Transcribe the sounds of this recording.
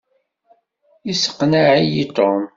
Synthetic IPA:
isə̥qːnaʕijit̪ˤom

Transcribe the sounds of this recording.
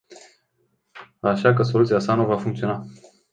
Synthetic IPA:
aʃakəs̬o̞lut̪sijasanuvafuŋkt̪sio̞na

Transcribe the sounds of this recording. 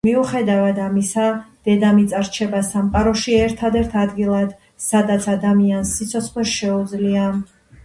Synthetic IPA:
miuχɛd̪avad̪amisad̪̥ɛd̪amit̪sʼaɾt͡ʃʰɛbasamqʼaɾɔʃiɛɾt̪ʰad̪ɛɾt̪ʰad̪ɡilˠad̪̥ | sad̪at̪sʰad̪amiansːit̪sʰɔt̪sʰχwɛsʃɛud̪zlia

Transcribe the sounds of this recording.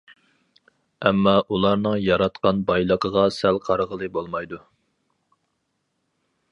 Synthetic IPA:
ɛmːɑʔulˠɑɾnɨŋjɑɾɑt̪qɑnbɑjlˠəqʰəʁɑsælqʰɑɾʁəlˠɨbolˠmɑjd̪u

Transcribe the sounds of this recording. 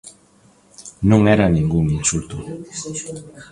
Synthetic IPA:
nuŋɛɾaniŋɡuŋinsult̪u

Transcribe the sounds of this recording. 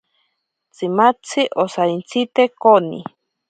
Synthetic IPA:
t͡simat͡sʰiʔosaint͡sʰit̪ekonḭ

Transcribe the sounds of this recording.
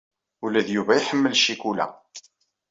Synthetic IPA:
ulæðjuvæjiħəmːəlʃikulæ̰

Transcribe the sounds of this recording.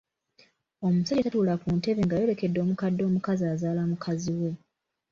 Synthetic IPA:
o̞musaɟetatuːlakuːnte̞βe̞ŋɡajo̞ɾe̞ke̞dːo̞ːmukadːo̞ːmukaziaːzaːlamukʰaziwe̞

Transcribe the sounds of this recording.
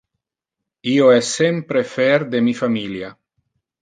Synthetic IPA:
ioɛsːempɾefeɾd̪emifamilja

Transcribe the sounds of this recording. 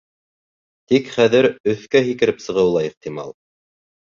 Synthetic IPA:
t̪ikχæðɘɾɵ̆θkæɦikɘ̆ɾɘpsɤ̆ʁɤ̆wlˠɑiqt̪imɑ̰lˠ

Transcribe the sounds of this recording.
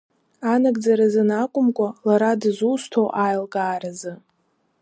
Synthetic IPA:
anaɡʼd͡zaɾazɨnakʷʼʊmkʷʼalaɾadzustʰowʔajlkʼaːɾazɨ

